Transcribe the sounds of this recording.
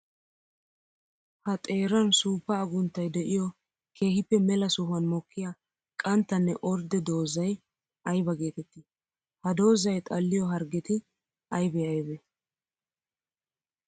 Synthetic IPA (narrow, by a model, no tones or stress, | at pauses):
hɐt̪ʼe̞ːɾɐnsuːpːɐːɡʊnt̪ːɐjd̪ɛʔɪjɔ | kʰe̞ːhɪpːɛmɛlɐsʊhʊɐnmɔkʰːɪja | kʼɐnt̪ːɐnːɛʔɔɾd̪ɛd̪o̞ːzɐj | ɐjbɐɡe̞ːt̪ɛt̪ːɪ | hɐd̪o̞ːzɐjt̪ʼɐlːɪjɔɦɐɾɡɛt̪ɪ | ʔɐjbɛɐjbɛ